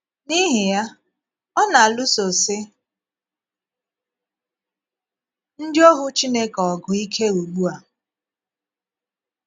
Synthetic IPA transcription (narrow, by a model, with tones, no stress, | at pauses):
ni˦ɦɪ˨ja˦ | ɔ˦na˨a˨lu˦so˨sɪ˦ | n̩˦d͡ʒo˦ɦʊ˦t͡ʃi˦ne˦kɔ˨ɡʊ˨i˦kʰe˦u˨ɡ͡bu˦a˨